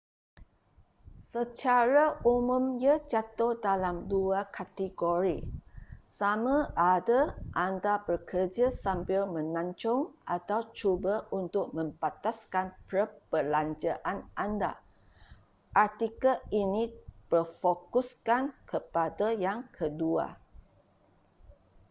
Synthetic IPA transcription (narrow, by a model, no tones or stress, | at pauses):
sət͡ʃaɾaumũmjad͡ʒat̪ohdalamduakʰat̪iɡoɾi | samãʔadaʔandabərkərd͡ʒasampɪlmə̃nãɲt͡ʃɔŋʔat̪awt͡ʃubaʔunt̪ʊk̚mə̃mpat̪askanpɾəpəlaɲd͡ʒaʔanʔanda̰ | ʔart̪ikainĩb̥ərfokuskankʰəpadajaŋkʰədua̰